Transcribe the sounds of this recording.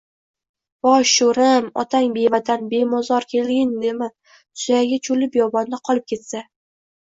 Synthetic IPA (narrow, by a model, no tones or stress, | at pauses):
b̥ɒʃːoɾamɒ̰t̪ʰaŋbe̞vat̪ʰanbemɒzɒɾkʲʰe̞lɡʲɪnd̪e̞mɪ | t̪ʰʊ̥zajaɡʲat͡ʃʰʊlɪpjɒbɒnd̪aqʰɒlˠɪp̚kʲʰe̞t̪sa